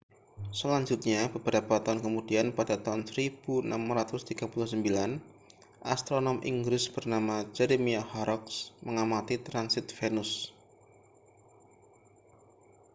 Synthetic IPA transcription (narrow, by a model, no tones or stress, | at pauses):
səlaɲd͡ʒʊt̪̚ɲabəbəɾapat̪aunkəmudianpadat̪aɦʊnsəɾib̥una̰mrat̪ʊst̪iɡ̥apulʊhsəmbilan | ʔast̪ɾonɔmʔḭŋɡɾɪsb̥ərnamad͡ʒɛɾemiahɔɾɔksməŋamat̪it̪ɾansɪt̪̚fenʊs